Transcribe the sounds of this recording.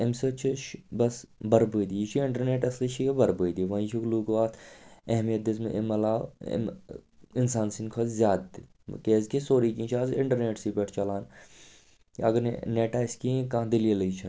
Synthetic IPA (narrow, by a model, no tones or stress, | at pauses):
emsɐt͡ʃʰiʃbɐsbɐɾbod̪it͡ʃʰiɪɳʈɐɾneːʈɐslit͡ʃʰikebɐɾboːjd̪iʋɐ̃ĩt͡ʃʰukluːkʋaːt̪ʰɐɦmijɐt̪̚d̪ɪsmeemɐla̰ːm | ɪnsaːnsinkʰozzjaːd̪t̪i | keːzkʰesoːɾikĩt͡ʃʰaːsɪɳʈɐɾneːʈsipeʈʰt͡ʃɐlaːn | ɐɡəɾn̰neːʈaːɪskĩkãːd̪ɪlieləit͡ʃʰɐn